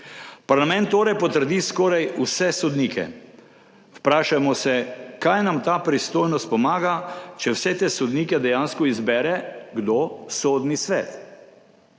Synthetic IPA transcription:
paɾlamɛ̃nt̪ːoːɾɛjpɔt̪əɾd̪iskɔːɾajusɛsɔd̪niːkʰɛ̰ | wpɾaːʃamɔsɛkajnamt̪aːpɾist̪oːjnɔst̪̚pɔmaːɡat͡ʃɛwsɛt̪eːsɔd̪niːkɛd̪ɛjaːnskɔizbɛɾɛɡd̪osoːd̪nisʋɛːt̪

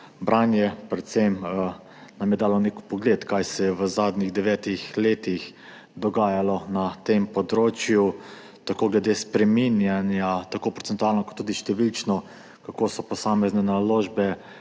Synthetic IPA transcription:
bɾanjɛpɾɛt̪sem | namjɛd̪aːlɔnekpɔɡleːt̪kajsɛjɛʋəzaːd̪niɣd̪ɛʋɛːt̪ixleːt̪ix | d̪ɔɡaːjalɔnat̪empɔd̪ɾoːt͡ʃju | t̪akoːɡlɛd̪eːspɾɛminjanjat̪akoːpɾɔt̪ɛnt̪uaːlnɔkɔt̪ːuːd̪iʃt̪ɛʋilt͡ʃnɔ | kakoːsɔpɔsaːmɛznɛnaloːʒbɛ

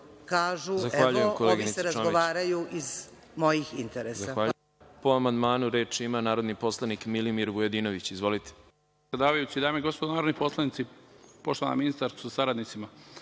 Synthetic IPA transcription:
kaːʒuzaxʋaːʎujemkoleɡiieɾazoɡoaːɾajuʔiz | mo̞jixint̪eɾeszaaxʋaːʎu | poamand̪maːnuɾe̞ːt͡ʃimanaːɾo̞d̪nipo̞slˠanikmilimiɾʋujed̪ino̞ʋit͡ɕizʋo̞lit̪e̥ | ad̪aːʋajut͡ɕid̪aːmejɡo̞spod̪anaːɾod̪niposlˠanit̪sipoʃt̪oa̰na̰minist̪aɾst̪uzasaɾad̪nit̪sima

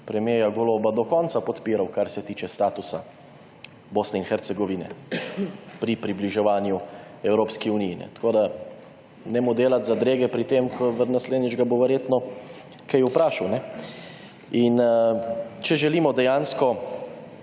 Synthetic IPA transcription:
pɾɛmjeːjaɡoloːbad̪ɔkɔnt̪sapɔt̪piːɾawkaɾsɛt̪iːt͡ʃɛst̪aːt̪usa | boːsnɛinxɛɾt̪sɛɡɔʋinɛ̰ | pɾipɾibliʒɛʋaːnjuɛwɾoːpskiunijːnɛ̰t̪ḁkoːd̪a | nɛmod̪eːlat̪zad̪ɾeːɡɛpɾit̪emkʰɔʋənasleːd̪nid͡ʒɡaboʋɛɾjeːt̪nɔ | kʰɛjupɾaːʃawnɛ | in | t͡ʃɛʒɛliːmɔd̪ɛjanskɔ

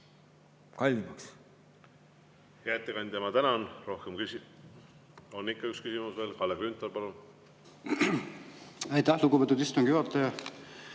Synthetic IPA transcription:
kɑlʲːimɑks | hæt̪ːˑekɑnʲd̪t̪emɑt̪ænɑnro̞hkemkysi | o̞nːikːɑykskysimusve̞ːlkɑlːeɡrynt̪ːˑɑlpɑlun | ɑjt̪æhluɡupet̪ud̪ist̪oŋɡ̥jyot̪ːˑɑjɑ

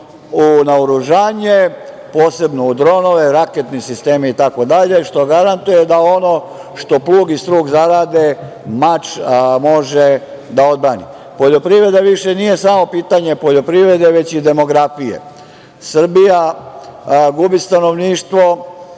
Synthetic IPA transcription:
unaoɾuʒaːɲe̞ | poːse̞bno̞ud̪ɾo̞no̞ʋe̞ɾaket̪nisist̪e̞ːmiit̪ako̞d̪aʎe̞ʃt̪o̞ɡaɾant̪uje̞d̪ao̞no̞ | ʃt̪o̞plˠuːɡist̪ɾuːɡzaɾaːd̪e̞ | mat͡ʃmo̞ʒe | d̪ao̞d̪̚bɾaːnḭ | poʎo̞pɾiʋɾe̞d̪aʋiʃe̞nijesamo̞piːt̪aɲe̞po̞ʎo̞pɾiʋɾe̞d̪e̞ʋe̞t͡ɕid̪e̞mo̞ɡɾafijḛ | sr̩bija | ɡubist̪ano̞ʋniːʃt̪ʋo̞

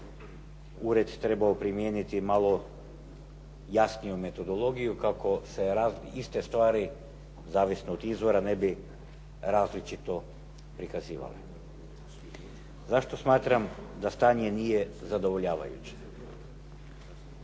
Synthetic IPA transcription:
uɾe̞d̪t̪ɾe̞baopɾimjeːnit̪imalˠo̞ | jasnijume̞t̪o̞d̪o̞lˠo̞ɡijukakʰo̞se̞ɾazist̪e̞st̪ʋaːɾi | zaːʋisnood̪izʋo̞ɾanebi | ɾaːzlit͡ʃit̪o̞ | pɾikaziːʋa̰lḛ | zaʃt̪o̞smaːt̪ɾamd̪ast̪aːɲe̞nije̞zad̪o̞ʋo̞ʎaːʋa̰jṵt͡ɕe̥

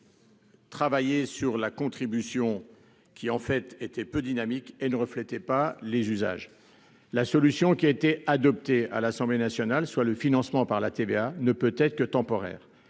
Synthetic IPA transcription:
t̪χavajesyʁlakɔ̃t̪χibysjɔ̃ | kʲiɑ̃fɛt̪et̪ɛpød̪inamikenəʁəflɛt̪ɛpalezyza̰ʒ | lasɔlysjɔ̃kʲiaet̪ead̪ɔp̚t̪ea̰lasɑ̃blenasjɔnalswaləfinɑ̃smɑ̃paʁlat̪eveanəpøt̪ɛt̪χə̥kət̪ɑ̃pɔʁɛ̰ːʁ

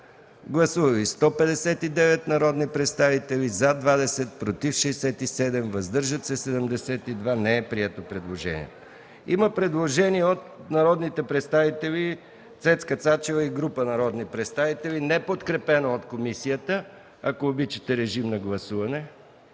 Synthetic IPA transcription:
ɡlˠɐsuvəvist̪ɔpɛd̪ɛsɛt̪id̪ɛvɛt̪nɐɾɔd̪nipɾɛt̪st̪avit̪ɛlizad̪vad̪ɛsɛt̪̚pɾot̪ifʃɛːsɛt̪isɛd̪ɛmvɐzd̪ɤɾʒət̪sɛsɛd̪əmd̪ɛsɛt̪id̪vanɛɛpɾiɛt̪opɾɛd̪lˠoʒɛ̰nḭɛt̪ | iməpɾɛd̪lˠoʒɛniɛot̪nɐɾɔd̪nit̪ɛpɾɛt̪st̪avit̪ɛlʲi | t̪sɛt̪skət̪sat͡ʃɛvəiɡɾupənɐɾɔd̪nipɾɛt̪st̪avit̪ɛlinɛpot̪kɾɛpɛnoot̪komisijət̪ə | ɐkoːbit͡ʃə̥t̪ɛɾɛʒimnɐɡlˠɐsuvɐnɛ

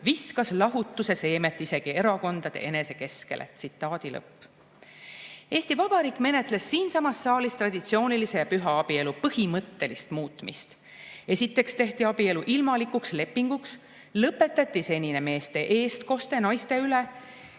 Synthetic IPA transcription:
viskɑslɑɦut̪ːuse̞se̞ːme̞t̪ːˑise̞ɡ̥ie̞ɾɑko̞nd̪ɑd̪̥e̞̰ʔe̞ne̞se̞ke̞ske̞̰lʔḛt̪sit̪ːˑɑːd̪̥ilɤ̰pˑː | e̞ːst̪ivɑb̥ɑɾiːkme̞ne̞t̪ˑle̞sːiːnsɑmɑsːɑːlist̪rɑd̪̥it̪sio̞ːnilise̞jɑpyɦɑɑb̥ie̞lupɤhimɤt̪ːe̞list̪muːt̪ːˑmist̪ | e̞sit̪ːe̞kst̪e̞ht̪iɑb̥ie̞luʔilmɑlikuksle̞pːiŋɡ̥uks | lɤpːe̞t̪ːˑɑt̪ːˑise̞nʲineme̞ːst̪e̞ʔeːst̪ko̞st̪e̞nɑjst̪e̞yle

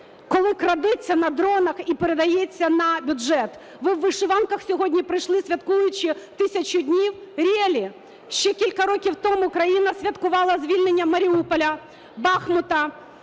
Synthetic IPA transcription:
kɔlˠɪkɾɐd̪ɛt͡sʲːɐnɐd̪ɾɔnɐxipeɾed̪ɐjet͡sʲːɐnɐbʲʊʒɛt̪ | ʋɪwːɪʃʊʋɑnkɐxsʲɔɦɔdʲnʲipɾɪjʃlˠɪsʲʋʲɐt̪kujʊt͡ʃɪt̪ɪsʲɐt͡ʃʊdʲnʲiwɾʲɛlʲi | ʃt͡ʃɛkʲilʲkɐɾɔkʲiwt̪ɔmʊkɾɐjinɐsʲʋʲɐt̪kʊʋɑlˠɐzʲʋʲilʲnenʲːɐmɐɾʲiupɔlʲɐ | bɑxmʊt̪ɐ

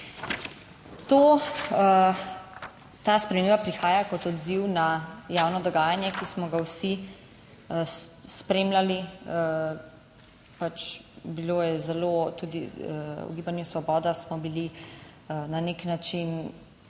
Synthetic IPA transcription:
t̪o | t̪aːspɾɛmembapɾixaːjakɔt̪ɔd̪ziwnajaːwnɔd̪ɔɡaːjanjɛkismɔɡawsi | spɾeːmlaliə | pat͡ʃbilojɛzɛlot̪uːd̪iṵɡiːbanjusʋɔbɔːd̪asmɔbili | ənaneknat͡ʃin

